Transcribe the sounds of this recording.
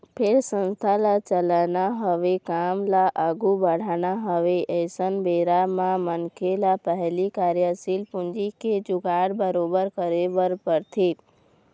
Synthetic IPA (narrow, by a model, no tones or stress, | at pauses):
pʰeɾsə̃nst̪ʰalat͡ʃəlanaɦəʋekamlaʔaɡubəɽ̤anaɦəʋeʔəsənbeɾamãmənkʰelapəɦlikaɾjəsilpʊ̃nd͡ʒiked͡ʒʊɡaɽbəɾobəɾkəɾebəɾpəɾt̪ʰe